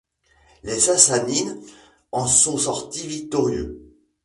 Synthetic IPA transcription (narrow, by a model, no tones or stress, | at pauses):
lezasanin | ɑ̃sɔ̃sɔʁt̪ivik̚t̪ɔʁjø̰